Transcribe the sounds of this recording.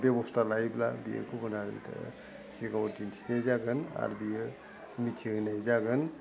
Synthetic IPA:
bebɔstʰalajblabiḛkʰubɯnaɾɯ̰ntʰɯ̰ | siɡawtintʰinejzaɡɯna̰ɾbiɯ | mitʰiɡɯnajzaɡɯn

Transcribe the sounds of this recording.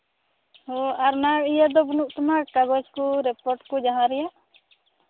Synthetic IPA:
ɔaɾnaijad̪ɔbɔnuʔt̪amakaɡɔd͡ʒkuɾɛpɔɾʈkud͡ʒaɦãɾɛjaʔ

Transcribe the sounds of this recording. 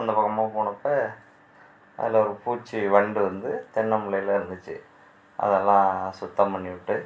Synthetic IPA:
ɐnd̪ɐpɐkːɐmaːpoːɳɐpːɐ | ɐ̰ðɪlɐɔɾɯpuːt͡ʃːiʋɐɳɖɯʋɐnd̪ɯt̪ɛɳːɐmʊɭɐjɪlɐɾɯnd̪ɯt͡ʃːɯ̰ | ʔɐ̰ðɛlːãːsʊt̪ːɐmpɐɳːiʋɪʈːɯ

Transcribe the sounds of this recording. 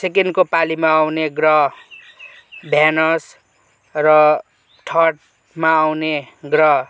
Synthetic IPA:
sekenkopalimaːwneɡrʌɦ | bʱjanʌs | rʌ | ʈʰʌʈ̚ | maːwneɡrʌɦ

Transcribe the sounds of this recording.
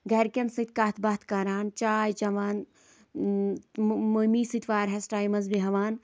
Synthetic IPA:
ɡɐɾkʲɐnsɨt̪kaːt̪ʰbaːt̪ʰkaːɾaːnt͡ʃaːjt͡ʃɐʋaːn | momisɨt̪ʰʋaːɾɦɐsʈaːjmɐzbiɦɐʋaːn

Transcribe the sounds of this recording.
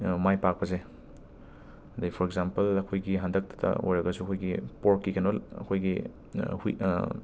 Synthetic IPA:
majpak̚pɐze | ɐdapʰoɾeɡzampɐlɐkʰojɡiɦandɐk̚tʰɐ̥tʰɐ̰o̰jɾɐɡɐsuɐkʰojɡipoɾkːikɐnolɐ̰kʰojɡi | hu

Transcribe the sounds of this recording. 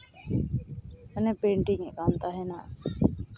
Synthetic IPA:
ənɛpeɳʈiŋɛkant̪aɦɛna

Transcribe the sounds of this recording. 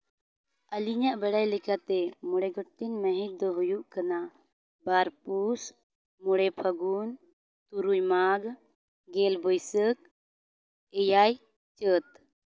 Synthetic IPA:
əliɲaʔbɛɽajlɛkat̪ɛmɔɽɛɡɔʈːɛnməɦɛ̃t̚d̪ɔɦujuʔkana | baɾpus | mɔɽɛpʰəɡun | t̪uɾujmaɡ | ɡɛlbɔjsək̚ | ɛjaj | t͡ʃət̪

